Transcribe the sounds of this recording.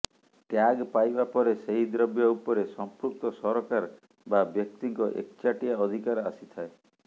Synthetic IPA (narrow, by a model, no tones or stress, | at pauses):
ʈjaɡpajbapɔɾeseɦid̪ɾɔbjɔupɔɾesɔmpɾuk̚t̪ɔsɔɾɔkaɾ | babjɔk̚t̪iŋkɔʔḛk̚t͡ʃaʈijaɔd̪ʱikaɾa̰sit̪ʰae